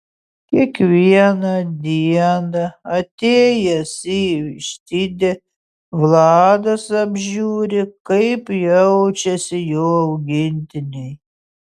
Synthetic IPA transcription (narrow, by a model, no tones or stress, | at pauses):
kʲiɛkʋʲiɛnɐd̪ʲiɛnɐɐt̪ʲeːjɛsʲiːʋʲɪʃʲt̪ʲiːd̪ʲɛ | ʋlˠɑːd̪ɐsɐbʲʒʲuːɾʲɪkɐɪpjɛʊt͡ʃʲɛsʲɪjoːɐʊɡʲɪnʲt̪ʲɪnʲɛj